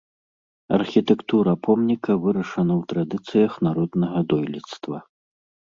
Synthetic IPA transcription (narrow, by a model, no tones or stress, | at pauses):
ɐ̰rxʲit̪ɛkt̪uɾɐpʰɔmnʲikɐvɨɾɐʂɐnɐwt̪ɾad̪ɨt̪sɨjɐxnaɾɔd̪nɐɣɐd̪ɔjlʲit̪st̪vɐ